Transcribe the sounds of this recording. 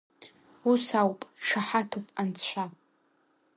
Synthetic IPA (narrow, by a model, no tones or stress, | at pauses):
usawpʼʈ͡ʂʰaħatʰupʼant͡sʷʰa